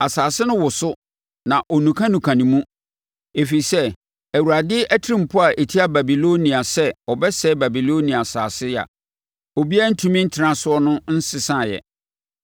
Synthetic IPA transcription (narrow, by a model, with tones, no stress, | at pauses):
a˨saː˨sɪ˦nʊ̃˦wʊ˨sʊ˦ | nã˨ʔɔ˨nũ˨kʰã˦nũ˨kʰã˨nĩ˨mũ˦ | e˨fi˨sɛ˦ | æ˨wu˨ɾa˨dɪ˦ʔæ˦tʰɪ˦ɾĩ˦m̩˨pʰʊ˦a˨ʔe˨tʰi˦a˦ba˨bi˨lo˦nĩ˨a˨sɛ˦ɔ˨bɛ˦sɛ˦ba˨bi˨lo˦nĩ˨a˨sa̰ː˨sɪ˦˨a̰˨ | ɔ˨bi˦a˦n̩˦tʰũ˦mĩ˦n̩˦tʰɪ˨ã˦sʊ˦ɔ˦nʊ̃˦n̩˦sɪ˨sã˦˨jɛ̰˨